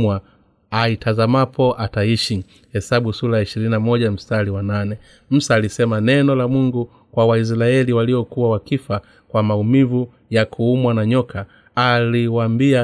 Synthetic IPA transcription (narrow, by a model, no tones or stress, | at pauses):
wa | aitʰazamapʰɔʔataiʃi | hɛsaɓusuɾajaiʃiɾininamɔʄam̩staliwananɛ | m̩saːlisɛmanɛnɔlamuŋɡu | kwawais̬ɾaɛliwaliɔkuwawakifa | kwamaumivu | jakʰuumwanaɲɔkʰaː | liwambia